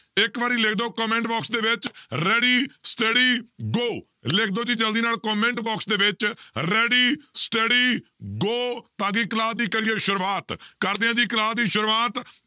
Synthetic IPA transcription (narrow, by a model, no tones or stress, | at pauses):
ɪkʋaːɾiːlɪkʰd̪oːkɔːmɛ̃ːɳʈbɔːksd̪eːʋɪt͡ʃɾɛːɖiːsʈɖiːɡoː | lɪk̚ʰd̪oːd͡ʒiːd͡ʒəld̪iːnaːlkɔːmẽːɳʈbɔːksd̪eːʋɪt͡ʃɾɛːɖiːsʈəɖiːɡoːt̪ãːɡiːkəlaːd̪iːkəɾiːeːʃʊɾwaːt̪kəɾd̪ɪãːd̪iːklaːd̪iːʃʊɾwaːt̪